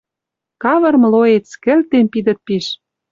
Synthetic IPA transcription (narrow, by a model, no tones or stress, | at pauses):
kɑβɤ̆rmloet͡skɘ̆lt̪empid̪ə̆t̪̚piʃ